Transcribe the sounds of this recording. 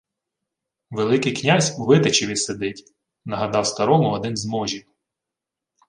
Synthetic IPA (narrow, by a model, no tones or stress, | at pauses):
ʋelˠɪkɪjknʲazʲuʋɪt̪et͡ʃiʋʲised̪ɪtʲ | nɐɦɐd̪ɑwst̪ɐɾɔmʊɔd̪ɪnzmɔʒʲi